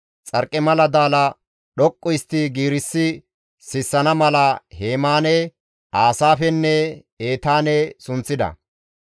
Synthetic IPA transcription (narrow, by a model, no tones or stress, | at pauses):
t͡sʼɐɾkʼːɛmɐlɐd̪aːlɐ | ɗɔkʼːʊjɪst̪ːɪɡiːɾɪsːɪ | sɪsːɐnɐmɐlɐheːmaːnɛ | aːsaːfɛnːɛ | eːt̪aːnɛsʊnt͡sːɪd̪ɐ̰